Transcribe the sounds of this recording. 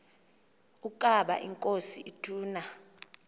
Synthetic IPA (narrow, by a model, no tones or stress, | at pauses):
ukʼaɓa̰ʔiŋkʼosiʔitʰuːna